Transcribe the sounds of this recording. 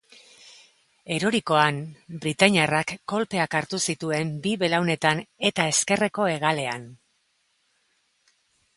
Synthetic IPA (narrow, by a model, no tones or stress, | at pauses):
e̞ɾoɾiko̞anbɾit̪aɲarakːo̞lpe̞akaɾt̪usit̪ue̞mbiβe̞lawne̞t̪ane̞t̪ae̞ske̞re̞ko̞e̞ɣ̞ale̞an